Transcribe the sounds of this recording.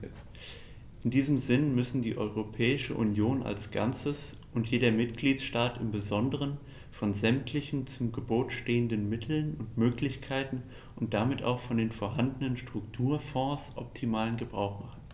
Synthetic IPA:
ʔɪndiːzəmzɪnmʏsn̩diːʔɔʏʁopʰɛːɪʃəʔunjoːnʔa̰lsɡ̥a̰nt͡səs | ʔʊntjeːdɐmɪt̚ɡ̥liːtʃtaːtɪmbəzɔndəʁ̞ən | fɔnzɛmtʰlɪçn̩t͡sʊmɡəboːtʃteːəndənmɪtʰl̩nʊntmøːklɪçkʰaɪtn̩ | ʔʊnt̚d̥amɪta̰ʊxfɔndeːnfoɐɦandənənʃtʁ̥ʊktʰuːɐfɔ̃ːsʔɔ̰p̚tʰimaːlənɡəbʁaʊxmaχn̩

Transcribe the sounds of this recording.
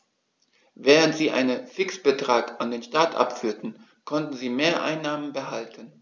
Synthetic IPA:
vɛːʁ̞əntz̥iːʔa̰ɪnənfɪksb̥ətʁ̥aːkʔandeːnʃtaːtʔa̰pfyːɐtn̩ | kʰɔntn̩ziːmeːɐʔa̰ɪnːaːmənbəhaltʰən

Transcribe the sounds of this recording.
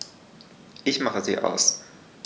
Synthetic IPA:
ʔɪçmaχəzḭːʔa̰ʊs

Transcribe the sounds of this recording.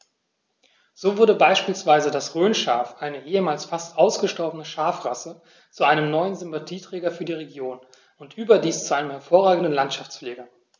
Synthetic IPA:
z̥oːvʊɐdəbaɪʃpiːlsv̥aɪzədasʁøːnʃa̰ːɐfʔaɪnəʔeːəmaːlsfastʔaʊsɡ̥əʃtɔɐbənəʃaɐfʁasə | t͡suʔaɪnəmnɔʏənzʏmpatʰiːtʁ̥ɛːɡɐfyːɐdiːʁ̞eɡjoːn | ʊntʔyːbɐdiːst͡suʔaɪnəmhɛɐfoːɐʁaːɡŋ̩dən̩lantʃaft͡sfleːɡɐ

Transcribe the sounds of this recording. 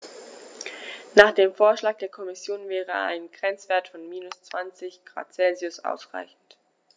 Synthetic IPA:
naːχd̥eːmfoːɐʃlaːk̚d̥eːɐkʰɔmɪsjoːnvɛːʁəa̰ɪnɡʁɛnt͡sv̥eːɐtfɔnmiːnʊst͡sv̥ant͡sɪçɡ̥ʁa̰ːt͡sɛlziʊsʔa̰ʊsʁ̥a̰ɪçn̩t

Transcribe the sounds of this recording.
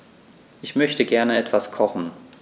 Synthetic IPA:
ʔɪçmœçtəɡɛɐnəɛtv̥askʰɔχn̩

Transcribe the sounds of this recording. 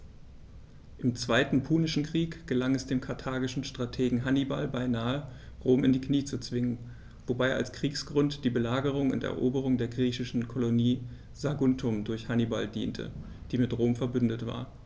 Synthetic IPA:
ʔɪmt͡sv̥aɪtn̩pʰuːnɪʃn̩kʁ̥iːkɡ̥əlaŋɛsd̥eːmkʰaɐtʰaːɡɪʃn̩ʃtʁ̥atʰeːɡŋ̩ɦaniba̰lbaɪnaːəʁoːmɪndiːkniːt͡sut͡sv̥ɪŋən | vobaɪʔa̰lskʁ̥iːksɡ̥ʁʊntd̥iːbəlaːɡəʁ̞ʊŋʊ̰ntɛ̰ɐʔoːbəʁ̞ʊŋdeːɐɡʁiːçɪʃn̩kʰoloniː | zaɡʊntʰʊmdʊɐçhaniba̰ldḭːntʰə̰ | d̥iːmɪtʁoːmfɛɐbʏndətv̥a̰ːɐ

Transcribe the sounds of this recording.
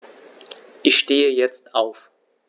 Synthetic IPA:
ʔɪçʃteːəjɛt͡stʔaʊf

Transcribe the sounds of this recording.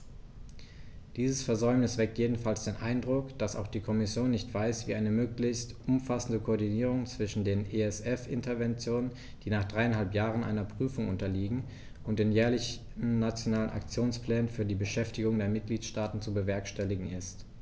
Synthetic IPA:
d̥iːzəsfɛɐzɔʏmnɪsv̥ɛk̚tjeːdn̩falsd̥eːnʔaɪndʁʊkd̥asa̰ʊxd̥iːkʰɔmɪsjoːnːɪçtv̥aɪsv̥iːʔaɪnəmøːklɪçstʔʊmfasn̩dəkʰoːɐdiniːʁ̞ʊŋt͡sv̥ɪʃn̩deːneɛsɛfʔɪ̰ntɐvɛnt͡sjoːnən | d̥iːnaːχd̥ʁaɪanhalpjaːʁ̞ənʔa̰ɪnɐpʁ̥yːfʊŋʔʊntɐliːɡŋ̩ | ʔʊntd̥eːnjɛːɐlɪç | n̩nat͡sjonaːlənʔa̰kt͡sjoːnspl̥ɛːnənfyːɐdiːbəʃɛftɪɡʊŋdeːɐmɪt̚ɡ̥liːtʃtaːtn̩t͡subəvɛɐkʃtɛlɪɡŋ̩ɪst

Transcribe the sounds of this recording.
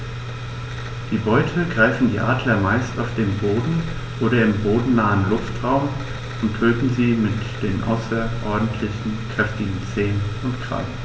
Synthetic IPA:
d̥iːbɔʏtʰəɡʁaɪfn̩diːʔaːdlɐmaɪstaʊfd̥eːmboːdn̩ | ʔoːɾɐɪmboːdn̩naːənlʊftʁ̥aʊm | ʔʊntʰøːtn̩ziːmɪtd̥eːnʔa̰ʊsɐʔɔɐdn̩tʰlɪçn̩kʁ̥ɛftɪɡŋ̩t͡seːnəʊntkʁ̥a̰l

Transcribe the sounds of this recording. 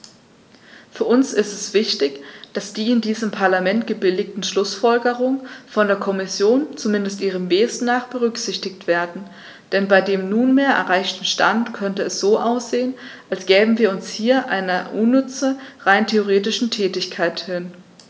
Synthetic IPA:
fyːɐʔʊnsɪstɛsv̥ɪçtɪçd̥asd̥iːɪndiːzəmpʰaɐlamɛntɡ̥əbɪlɪç̚tn̩ʃlʊsfɔlɡəʁ̞ʊŋənfɔndeːɐkʰɔmɪsjoːnt͡sumɪndəstʔiːʁ̞əmveːstnaːχb̥əʁʏkz̥ɪçtɪktv̥eːɐdn̩ | d̥ɛnbaɪdeːmnuːnmeːɐʔɛ̰ɐʁaɪçtn̩ʃta̰ntkʰœntəɛsz̥oːʔaʊsz̥eːənʔalsɡ̥ɛːbm̩viːɐʊnshiːɐʔaɪnɐʔunːʏt͡səʁaɪntʰeoʁ̞eːtɪʃn̩tʰɛːtɪçkʰaɪthɪn

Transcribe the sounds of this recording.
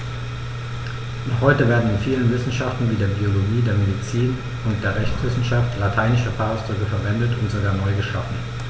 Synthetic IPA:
nɔχhɔʏtəveːɐdn̩ɪnfiːlənvɪsn̩ʃaftn̩viːdeːɐbioloɡiːdeːɐmedit͡siːn | ʊnt̚d̥eːɐʁɛçt͡sv̥ɪsn̩ʃaftlatʰaɪnɪʃəfaːaʊsd̥ʁʏkəfɛɐvɛndətʊntz̥oɡaːɐnɔʏɡəʃafn̩

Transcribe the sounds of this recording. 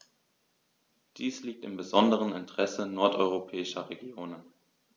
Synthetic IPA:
d̥iːsliːk̚tɪmbəzɔndəʁ̞ənɪntəʁ̥ɛsənɔɐtʔɔʏʁopʰɛːɪʃɐʁeɡjoːnən

